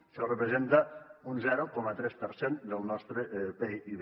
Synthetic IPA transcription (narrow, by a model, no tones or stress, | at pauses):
selrəpɾezent̪aunzɛɾokɔmat̪ɾɛspəɾsend̪əlˠnɔst̪ɾeʔpeʔiβ